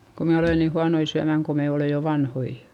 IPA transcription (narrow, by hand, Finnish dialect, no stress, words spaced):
ko me oleˑn ni huɑnoi syæmæŋ ko me oleˑ jo ʋɑnhoi